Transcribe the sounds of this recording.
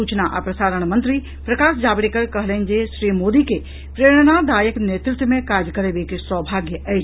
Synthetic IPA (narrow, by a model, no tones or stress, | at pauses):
uːt͡ʃnaʔa̰pɾɐsaːɾəɽ̃mɐ̃nt̪ɾi | pɾɐkaːsd͡ʒaːbɽikəɾkɐɦlə̃ɪnd͡ʒeʃɾiːmoːd̪ike | pɾeːɽ̃ñad̪aːjəkneːt̪ɾɪt̪wmẽkaːd͡ʒjkɐɾeʋekeswɔːbʱaːɡjəɛ